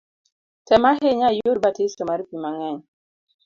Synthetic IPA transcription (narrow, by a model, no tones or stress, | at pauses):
tɛmaɦeɲajoɾ̚batesomaɾipimaŋɛɲ